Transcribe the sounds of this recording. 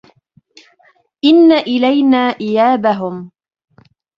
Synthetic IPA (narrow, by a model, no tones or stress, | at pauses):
ʔɪnːaʔɪlajnaːʔɪjaːbaɦʊm